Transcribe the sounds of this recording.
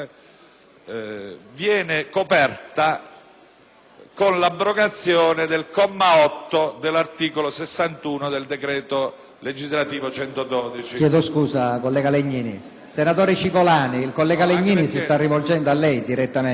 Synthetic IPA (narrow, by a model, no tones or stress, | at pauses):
vjɛːnekopɛrt̪a | konlabːɾoɡat̪sːjɔːned̪elkɔmːaɔt̪ːod̪elːart̪iːkolosesːant̪uːnod̪eld̪ekɾɛːt̪o | led͡ʒizlat̪iːvot͡ʃɛnt̪od̪ɔːd̪it͡ʃijɛːd̪oskuːsakolːɛːɡaleɲːiːni | senat̪oːɾit͡ʃikolaːniːlkolːɛːɡaleɲːiːnisist̪arːivold͡ʒɛnd̪oalːɛjd̪iɾɛt̪ːame